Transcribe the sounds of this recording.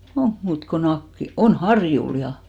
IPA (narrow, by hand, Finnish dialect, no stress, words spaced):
oŋk muːt ko nɑkːil on hɑrjul jɑ